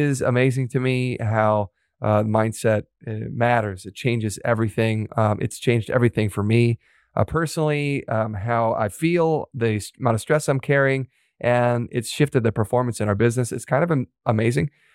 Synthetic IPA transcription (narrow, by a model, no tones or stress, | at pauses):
ɪzə̰meɪzɪ̃ŋtʰɨmiɦaʊ | ðmãɪ̃nd̥sɛt̚mæɾə˞zɨt̚t͡ʃʰẽɪ̃nd͡ʒɨzɛvɹiθɪ̃ŋʔɨ̰tst͡ʃʰẽɪ̃nd͡ʒdɛ̰vɹiθɪ̃ŋfə˞mi | pʰɜ˞snl̩ˠiɦaʊa̰ɪfilˠðɨsmãnəstɹ̥ɛsãɪ̃mkʰɛɹiɪ̃ŋ | ʔɨ̃nɪ̰tsʃɪftɨd̪̚ðɨpʰə˞fɔɹmɨ̃nsɨ̃naʊə˞bɪznɨsɨtskʰãɪ̃ndʌvɨʔəmeɪzɪ̃ŋ